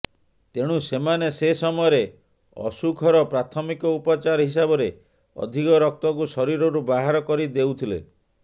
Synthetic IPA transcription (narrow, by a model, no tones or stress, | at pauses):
t̪eɽ̃usemanesesɔmɔjɔɾe | ɔ̰sukʰɔɾɔpɾat̪ʰɔmikɔupɔt͡ʃaɾɦis̬abɔɾe | ɔ̰d̪ʱikɔɾɔk̚t̪ɔk̬usɔɾiɾɔɾubaɦaɾɔkɔɾid̪ewt̪ʰilḛ